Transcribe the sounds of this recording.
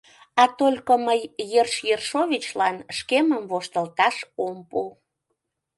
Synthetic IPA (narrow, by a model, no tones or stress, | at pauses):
ɑt̪olʲkəməjːerʃjerʃovʲit͡ɕlɑnʃkeməmvoʃt̪əlt̪ɑʃompu